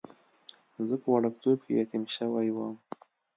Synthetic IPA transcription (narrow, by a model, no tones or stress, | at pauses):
zəpəwɑɽəkt̪ob̚kejɑt̪imʃəwajwəm